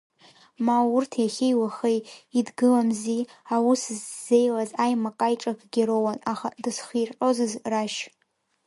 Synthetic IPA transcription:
mawurtʰjaχʲejwaχejidɡɨlamziawuszze̞jlazajmakʼajʈ͡ʂʼakʰʼɡʲiɾowanaχa̰dɨsχirħʼo̞zɨzraʃ

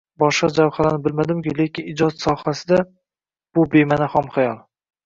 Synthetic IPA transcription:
bɒʃqɑd͡ʒawχalanɪbɪlmad̪ɪmkʲɪle̞kʲʰɪnɪd͡ʒɒt̪sɒhasɪd̪a | b̥ʊbemanahɒmχajɒlˠ

